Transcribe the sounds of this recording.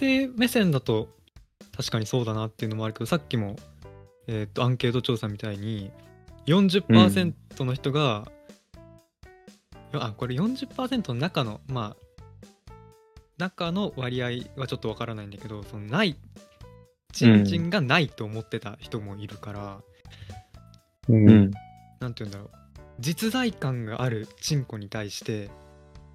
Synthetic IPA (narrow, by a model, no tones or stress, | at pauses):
t̪e̞me̞sẽ̞nd̪at̪o̞ | t̪ʰaɕi̥kaɲ̟iso̞ːd̪anat̪ːe̞iɯ̟no̞mo̞aɾɯ̟ke̞d̪o̞sakʲːimo̞ | et̪ːo̞ãŋke̞ːt̪o̞t͡ɕo̞ːsãmːʲit̪aiɲ̟i | jõ̞ɲ̟d͡ʑɨpːaːsẽ̞nt̪o̞no̞çi̥t̪o̞ɡa | joako̞ɾe̞jõ̞ɲ̟d͡ʑɨpːaːsẽ̞nt̪o̞nonakano̞ma | nakano̞βaɾʲiaiβat͡ɕo̞t̪ːo̞β̞akaɾanaĩnd̪ake̞d̪o̞so̞no̞nai | t͡ɕĩd͡ʑĩŋɡanait̪ːo̞ːmo̞t̪ːe̞t̪açi̥t̪o̞mo̞iɾɯ̟kaɾa | nãnt̪ʲiɯ̟̃nd̪aɾo̞ | d͡ʑit͡sɨd̪aikãŋɡa̰ʔːɾɯ̟t͡ɕĩŋko̞ɲ̟it̪aiɕi̥t̪e̞